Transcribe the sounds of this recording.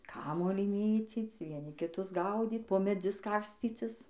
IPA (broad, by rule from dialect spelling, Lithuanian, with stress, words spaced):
ˈkɑːmuɔlʲiː ˈmʲeːt͡sʲiːt͡s ʋʲiɛˈnʲɪ kʲɪˈtʊs ˈɡɐʊdʲiːt poː mʲɛˈd͡zʲʊs ˈkɐrʲsʲt͡sʲiːt͡sʲɪs